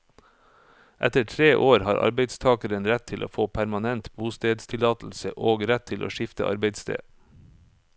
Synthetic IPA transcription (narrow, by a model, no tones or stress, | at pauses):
ʔɛt̪əʈʰɾeːʔoːɾhɑːɾʔɑ̰ɾbeɪd̪st̪ʰɑːkəɾənɾɛt̪ʰɪlʔo̰ːfoːpʰæɾmɑnɛnt̪buːst̪eːd̪st̪ʰɪlɑːt̪l̩səʔoːɡɾɛt̪ʰːɪlʔo̰ːʃɪft̪ə̰ʔɑ̰ɾbeɪd̪st̪ʰḛː